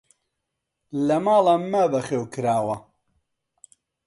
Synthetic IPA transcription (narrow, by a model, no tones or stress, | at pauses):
lɐmaːlˠamɐbɐχeːwkɨɾaːwɐ